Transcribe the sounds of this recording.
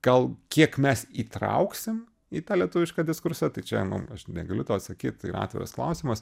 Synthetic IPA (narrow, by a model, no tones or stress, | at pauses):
ɡ̥ɐlˠkʲiɛkmʲɛsiːt̪ɾɐ̰ʊksʲɪm | iːt̪ɑːlʲiɛt̪ʊʋʲɪʃkɑːd̪ʲɪskʊɾsʲɛt̪ɐɪt͡ʃʲɛnʊ̰mɐʃnʲɛɡɐlʲʊt̪oːɐt̪sɐkʲiːt̪̚t̪ɐɪiːɾ̰ɑ̰ːt̪ʲʋʲɪ̰ɾɐ̰sklˠɐ̰ʊsʲiːmɐs